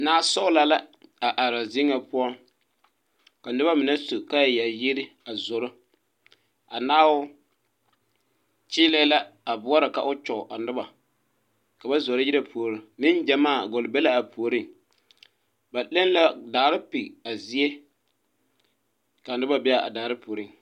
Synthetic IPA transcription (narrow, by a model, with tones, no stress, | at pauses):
naː˦sɔ˦ʊ˦la˨la˦a˨ʔa˨ɾa˨zɪ˦ŋa˨pʊ˦ɔ˦ŋ | ka˨nʊ˦ba˦mɪ˨nɛ˦su˨ka˦jja˨jɪ˦ɾɪ˦a˨zʊ˨ɾʊ˦ | a˨naː˦wʊ˦ | t͡ʃɪː˦lɛ˦la˦a˨bʊ˦a˦ɾɪ˨ka̰˨ʔʊ˦t͡ʃɔ˨ʔa˨nʊ˦ba˨ | ka˨ba˦zo˨ɾɪ˦ji˦ɾa˦pʰo˨o˨ɾʊ˨mɪ˦nd͡ʒɛ˨maː˦˨ɡʊ˨lbɛ˦la˦a˨pʰo˨o˨ɾɪ˦˨ŋ | ba˨lɛ˦n˦la˦daː˨ɾɪ˦pi˨a˨zi˦ɛ˦ | ka˨nʊ˦ba˦bɛ˦a˨a̰˨daː˨ɾɪ˦poː˨ɾi˦˨ŋ